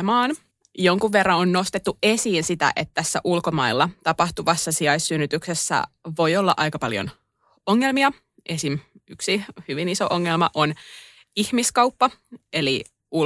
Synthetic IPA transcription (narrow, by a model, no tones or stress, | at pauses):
mɑːn | jo̞ŋkuʋːe̞rːɑonno̞st̪et̪ːue̞siːnsit̪æ̰ʔet̪t̪æsːæ̰ʔulko̞mɑilːɑt̪ɑpɑht̪uʋɑsːɑsiɑjsːynːyt̪yksesːæ̰ʋo̞jo̞lːɑ̰ʔɑjkɑpɑljo̰n | oŋːelmiɑ | ʔesinyksihyʋiniso̰ʔoŋːelmɑʔon | ihmiskɑupːɑe̞li | u